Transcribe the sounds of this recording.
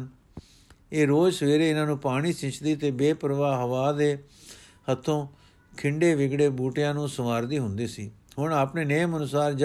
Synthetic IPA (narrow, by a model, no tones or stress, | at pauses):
eːɾoːd͡ʒsəʋeːɾeːɪnãːnũːpaːɽ̃iːsɪ̃t͡ʃd̪iːt̪eːbeːpəɾʋaːɦəʋaːd̪eː | hət̪ʰːõː | kʰɪɳɖeːʋɪɡɽeːbuːʈɪjãːnũːsəmaːɾd̪iːɦʊ̃nd̪iːsiːɦʊɳaːpneːnejmənʊsaːɾd͡ʒ